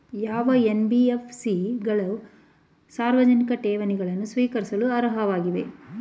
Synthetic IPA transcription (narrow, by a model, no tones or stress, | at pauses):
jaːʋɐenbiefsiɡɐɭɐ | saːɾʋɐd͡ʒɐnikɐʈɛːʋɐniɡɐɭɐnːusʋiːkɐɾisɐluɐɾɐɦɐʋaːɡiʋe̞̰